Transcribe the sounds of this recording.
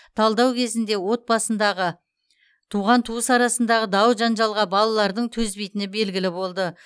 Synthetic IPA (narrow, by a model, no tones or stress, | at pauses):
t̪ʰɑlˠd̪ɑwkʲʰe̞zɪnd̪e̞wo̞t̪̚bɑsənd̪ɑʁə | t̪ʰuʁɑnt̪ʰuəsɑɾɑsənd̪ɑʁəd̪ɑwʒɑnʒɑlˠʁɑbɑlˠɑlˠɑɾd̪əɴt̪ʰɵzbejt̪ɪnɪbe̞lɡʲɪlɪbo̞lˠd̪ə